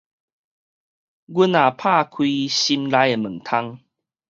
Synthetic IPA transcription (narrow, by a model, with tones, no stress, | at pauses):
ɡu˦na˨˩pʰa˥˧kʰwi˧˦ɕi˧mla˧˦je˨˩mə˨˩ŋt̪ʰa˦ŋ